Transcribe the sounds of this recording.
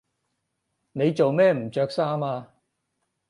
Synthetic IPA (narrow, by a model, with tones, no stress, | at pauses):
ne˨˧jt͡so˨wmɛː˥m̩˨˩t͡ʃœː˧k̚saː˥maː˧